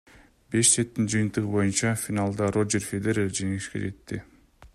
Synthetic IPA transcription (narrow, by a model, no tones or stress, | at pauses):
be̞ʃset̪ːind͡ʒɯjːnt̪ɯʁɯbo̞junt͡ʃɑfʲinalˠd̪ɑro̞d͡ʒerfʲed̪eɾed͡ʒe̞ŋeɡiʃkḛd͡ʒe̞t̪ːɪ